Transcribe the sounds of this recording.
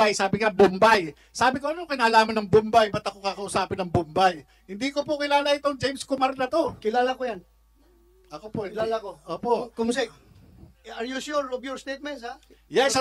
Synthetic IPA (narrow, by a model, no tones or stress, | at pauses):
ajsaːbɪŋabʊmbaj | saːbɪkoʔɐnokɐnaːlaːmɐnɐŋbʊmbajbɐt̪ɐkokakɐʔʊsaːpɪnɐŋbʊmbaj | hɪnd̪iːkopʊkɪlaːlɐʔɪt̪oŋd͡ʒejmskomaɾd̪ɐt̪o̞kɪlaːlɐkojan | ʔɐkopolaːlakoʔoːpoʔkoms | ɐɾjʊʃuɾovjɔɹst̪ejt̪̚mɛnsajɛs